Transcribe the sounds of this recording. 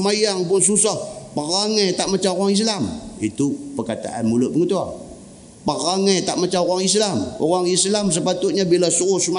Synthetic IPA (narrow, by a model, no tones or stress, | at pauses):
majaŋpʊns̬usahpaʁaŋet̪aʔmat͡ʃaoɣaŋis̬lamit̪upərkat̪a̰ʔanmulʊt̪ʔ̚bəŋət̪ua | paʁaŋet̪aʔmat͡ʃaoɣaŋis̬lamo̰ɣaŋislams̬əpat̪ʊt̪̚ɲabilasuɣʊhsma